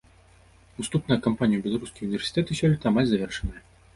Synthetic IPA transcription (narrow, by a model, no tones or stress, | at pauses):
ust̪upnɐjɐkampanʲijubʲɛlˠaɾuskʲijunʲivʲersʲi̥t̪ɛt̪ɨsʲɔlʲit̪ɐːmalʲzɐvʲɛrʂɨnɨjɛ